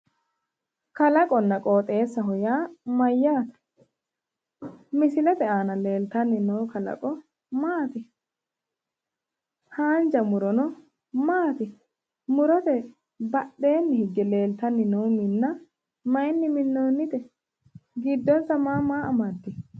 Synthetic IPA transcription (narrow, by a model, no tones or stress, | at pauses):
kɐlɐkʼɔnːɐkʼo̞ːt̪ʼe̞ːsːɐɦɔjaːmɐjːaːt̪ɐ̥ | mɪsɪlɛt̪ɛaːnɐle̞ːlt̪ɐnːɪnoːkɐlɐ̰kʼɔ | maːt̪ɪ | haːnd͡ʒɐmʊɾɔnɔ | maːt̪ɪ | mʊɾɔt̪ɛ | bɐɗːe̞ːnːɪhɪɡːɛle̞ːlt̪ɐnːɪnɔːmɪnːɐ | mɐjnːɪmɪnːɔːnːɪt̪ɛ | ɡɪd̪ːɔnsɐmaːmaːʔɐmɐd̪ːɪ